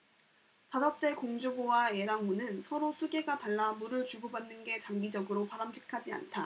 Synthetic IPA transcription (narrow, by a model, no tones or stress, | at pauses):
tasʌp̚t͡ɕ͈e̞koŋd͡ʑobowaje̞ɾaŋmunɯnsʰʌɾosʰuɡe̞ɡataɭːamuɾɯɭt͡ɕuɡobanːɯnɡe̞t͡ɕaŋɡid͡ʑʌɡɯɾopaɾamɕʰi̥kʰad͡ʑia̰ntʰa